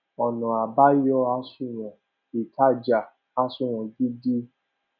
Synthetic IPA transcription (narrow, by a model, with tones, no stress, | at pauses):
ɔ˨nɔ̃˨a˨ba˦jɔ˦a˧sũ˦˨w̃ɔ̃˨ | i˨ta˦˨d͡ʒa˨ | a˧sũ˦˨w̃ɔ̃˨ɡi˦di˦